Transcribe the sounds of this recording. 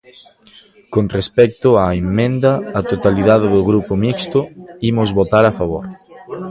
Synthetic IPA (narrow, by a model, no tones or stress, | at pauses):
konrespɛk̚t̪ʊaemːẽnd̪ɐːt̪ot̪aliðaðeðʊɣɾupomikst̪ʊimʊzβot̪aɾafaβoɾ